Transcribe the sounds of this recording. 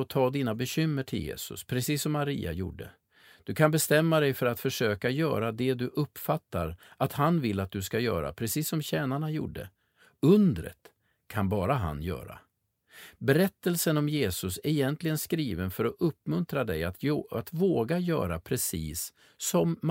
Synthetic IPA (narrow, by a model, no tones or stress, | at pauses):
ɔt̪ʰɑːd̪iːnabɛɕʏmːəʈʰɪljḛːsɵ̰spʰɾɛsiːsːɔmːaɾḭːa̰jṵːɖːə̰ | d̪̥ɵkʰanbɛst̪ɛmːad̪ɛjfœɾat̪fœʂøːkajœ̰ːɾad̪ɛd̪ɵʔɵpːfat̪ːa̰ɾʔat̪hanvɪlːat̪̚d̪ɵskajœ̰ːɾa̰pʰɾɛsiːsːɔmɕɛːnaɳajṵːɖːə̰ | ɵnd̪ɾə̰t̪ | kʰanbɑːɾaɦa̰njœ̰ːɾa̰ | bɛɾɛt̪ːəlsənɔmjeːsɵsɛɪjɛnt̪lɪɡənskɾiːvənfœɾɔʔɵpːmɵnt̪ɾad̪ɛjaat̪voːɡajœ̰ːɾapʰɾɛsḭːsː | ɔmː